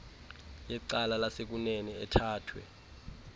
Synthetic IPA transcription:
jɛǀalalasek̬unɛnɛɛtʰaːtʰwɛ̰

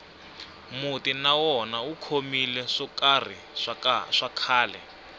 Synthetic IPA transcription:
mutinawɔnaukʰomilɛʂɔkar̤i | ʂakʰaːlɛ

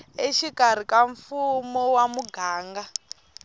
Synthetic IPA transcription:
eʃikʼaɾ̤ikaɱfumɔwamuɡʱaːŋɡa

